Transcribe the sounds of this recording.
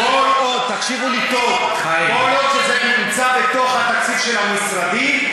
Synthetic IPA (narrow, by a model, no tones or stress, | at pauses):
olʔod̪̚t̪akʃivulit̪ov | a | olot̪ʃezenimt͡sabet̪o̞χat̪akt͡sid̪ʃelamisɾad̪im